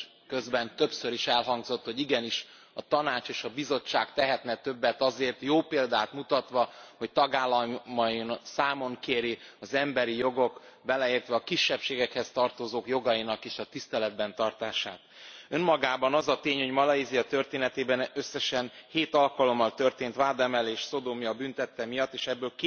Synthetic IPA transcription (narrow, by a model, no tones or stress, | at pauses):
køzbɛnt̪ø̞psø̞ɾiʃɛlɦɒŋɡzo̞t̪ho̞ɟiɡɛniʃ | ɒt̪ɒnaːt͡ʃeːʃɒbizo̞t͡ʃːaːkt̪ɛɦɛt̪nɛt̪ø̞bːɛt̪ɒzeːrt̪joːpeːld̪aːt̪mut̪ɒt̪ʋɒho̞c̚t̪ɒɡaːlːɒmːɒjinsaːmo̞ŋkeːɾiɒzɛmbɛɾijo̞ɡo̞k | bɛlɛeːrt̪ʋɛɒkiʃːɛpʃeːɡɛkhɛst̪ɒrt̪o̞zoːkjo̞ɡɒjinɒkeːʃɒt̪ist̪ɛlɛd̪bɛnt̪ɒrt̪aːʃaːt̪ø̞mːɒɡaːbɒnɒzɒt̪eːɲho̞ɟmɒlɒizijɒt̪ø̞rt̪eːnɛt̪eːbɛnø̞sːɛʃɛnheːt̪ɒlkɒlo̞mːɒlt̪ø̞rt̪eːnt̪ʋaːd̪ɛmɛleːʃso̞d̪omijɒbynt̪ɛt̪ːɛmijɒt̪ːeːʃɛbːøːlkː